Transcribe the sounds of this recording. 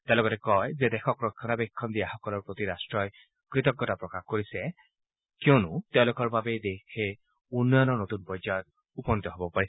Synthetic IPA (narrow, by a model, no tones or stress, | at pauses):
tɛ̃lɔɡɔtɛkɔjzɛdɛxɔkɹɔkʰːɔnabɛkʰːɔndijaxɔkɔlɔɹpɹotiɹastɹɔj | kɹitɔkːɔtapɹɔkaxkoɹisɛ | kiɔnʊtɛʊ̃lʊkɔɹbabedekʰe | unːɔjɔnɔnot̪unpɔjzajɔt̚ | upɔnit̪ɔɦobɔpaɹi